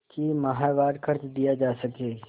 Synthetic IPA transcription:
kimɐɦaːʋaːɾkʰəɾt͡ʃd̪ijad͡ʒaːsɐkeː

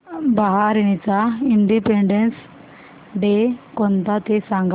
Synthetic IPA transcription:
baɦaɾiñit͡saiɳɖipeɳɖens | ɖekɔnt̪at̪esãŋɡ

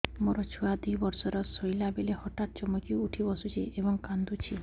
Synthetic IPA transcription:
mɔɾɔt͡ʃʰuad̪ʱibɔɾsɔɾɔsɔjlabelehɔʈaʈt͡ʃɔmɔkiuʈʰibɔsut͡ʃʰiebɔŋkand̪ut͡ʃʰi

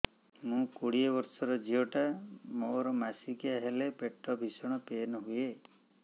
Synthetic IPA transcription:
mũkoɽiebɔɾsɔɾɔd͡ʒiɔʈamoɾɔmasikiaɦelepeʈːɔbʱisɔɽ̃ɔpenɦuje

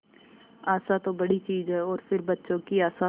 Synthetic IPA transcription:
aːsat̪obɐɽit͡ʃiːzɦɛɔːɾfɪɾbɐtːʃõkiaːsa

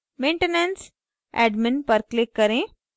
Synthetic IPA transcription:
meɳʈənəns | æ̰ɖminpəɾklekːəɾẽ

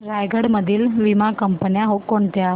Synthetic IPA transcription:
ɾajɡʱəɽməd̪ʱiːlʋimakəmpənjaɦokːoɳt̪ja

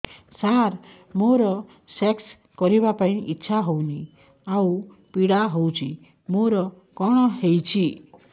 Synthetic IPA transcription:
saɾ | moɾɔ | seks | kɔɾibapaĩʔitːʃʰaɦowni | aw | piɽaɦowt͡ʃʰi | moɾɔ | kɔɽ̃ɔɦejt͡ʃʰi

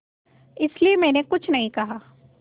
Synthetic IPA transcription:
ɪsliemɛ̃ːnekʊt͡ʃʰnɐɦĩkɐɦaː

